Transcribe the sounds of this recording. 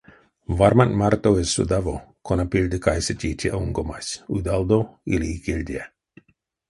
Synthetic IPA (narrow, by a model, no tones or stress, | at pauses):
vaɾmanmart̪oesṵd̪avokʰonapilʲd̪ɨkajsetʲiːtʰʲiʔauŋɡomasʲud̪ald̪oiliːkelʲd̪ʲie